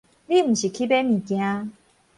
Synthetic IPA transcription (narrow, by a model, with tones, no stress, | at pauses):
li˥˧˨m̩˨˩ɕi˨˩kʰi˦pe˦nĩ˨˩kjã˦